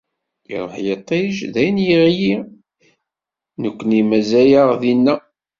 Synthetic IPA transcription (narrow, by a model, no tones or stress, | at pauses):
ḭɾˤoħjət̪ˤːeʒðæjnjəʁji | nəkʷːənimæzæjaʁðinːæ